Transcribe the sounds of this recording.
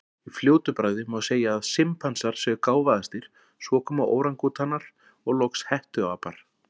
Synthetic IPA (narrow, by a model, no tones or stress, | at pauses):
ifljoːwt̪ʏpɾajðɪmɔðseːjaːðsɪmpʰansaɾ̥sɛɣkaːwvaðast̪iɾ̥ | svɔːkʰɔːmaʔo̰ːwɾaŋkut̪ʰanːaɾ̥ | ɔɣlɔkshɛht̪ʏawapaɾ̥